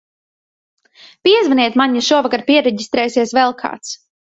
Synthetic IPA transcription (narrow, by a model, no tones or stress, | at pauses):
piɛzvaniɛt̪maɲaʃuɔvakaɾpiɛɾɛɟist̪ɾɛːsiɛsvɛlˠkʰa̰ːt̪s